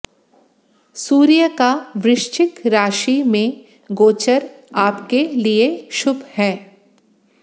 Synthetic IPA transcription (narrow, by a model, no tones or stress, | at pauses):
suːɾijəkaʋɾɪʃt͡ʃɪkɾaːʃimẽ | ɡoːt͡ʃəɾ | aːpkelieʃʊbʱhɛː